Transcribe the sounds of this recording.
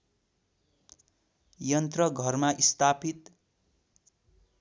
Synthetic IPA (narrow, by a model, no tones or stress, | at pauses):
jʌnt̪rʌɡʱʌrmaʔist̪apit̪